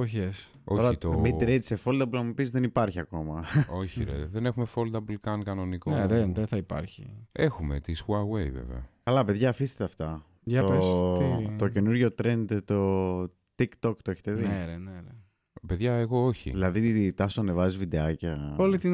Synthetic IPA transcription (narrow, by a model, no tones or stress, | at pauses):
oçes | ooɾɐit̪omiɾet̪isefo̞ld̪ɐpulɐmupizðenipɐɾçiɐko̞mɐo̞çinḛðene̞xumefo̞ld̪ɐbulkɐnkɐno̞nikoeðenðeθɐipɐ̰ɾçḭexumḛt̪iskuɐwejvḛvḛɐ̰kɐlɐpeðʝɐːfist̪et̪eɐft̪ɐ | ɐ | tt̪o̞ce̞nuɾʝo̞t̪ɾe̞nd̪t̪o̞ | t̪ikt̪okt̪oeçe̥t̪eðienenene | peðʝɐeɣo̞oçḭðilɐðit̪ɐsuɐnevɐzizvid̪eɐcɐolit̪in